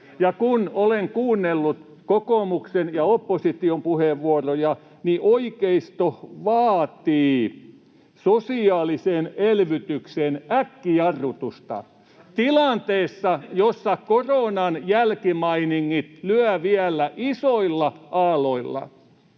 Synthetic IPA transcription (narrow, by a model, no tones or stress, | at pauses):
jɑkunoleŋkuːnːelːut̪ | kokoˑmuksenjɑopːosit̪iompuheʋʋuorojɑ | niʔoikeist̪oʋɑːt̪iː | sosiɑːliseːnelʋyt̪ykseːnækːiɑrut̪ust̪ɑ̰ | t̪ilɑnt̪eːsːɑjosːɑkoronɑnjælkimɑiniŋːit̪lyæʋiælːæʔisoilːɑʔɑːloilːɑ̰